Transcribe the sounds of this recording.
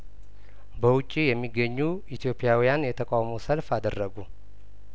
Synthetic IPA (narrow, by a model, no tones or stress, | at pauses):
bəwʊt͡ʃʼːijɛmːiɡːəɲːuit̪ʰjo̞pʼɪjawijanjɛt̪ʰəkʼawmowsəlfad̪ərːəɡu